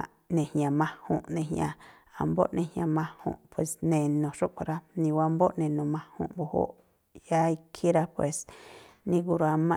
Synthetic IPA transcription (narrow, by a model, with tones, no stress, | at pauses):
a˨ | nẽ˨hɲã˨mã˧hṵ̃˧˨ʔnẽ˧ɦɲ̃ã̰˧ | a̰˧˨mbo˦ʔnẽ˧hjã˧mã˧hṵ̃˧˨ʔpʰwe˨snẽ˨nõ˨ʂu˦ʔkʷa˧ɾa˦nĩ˧wa˧˦mbo˦ʔnẽ˨nõ˨mã˧hṵ̃˧ʔbo˧ho̰˦ʔ | ja˦i˧kʰi˦ɾa˦pwe˨snĩ˧ɡu˧ɾa˧mã˦˧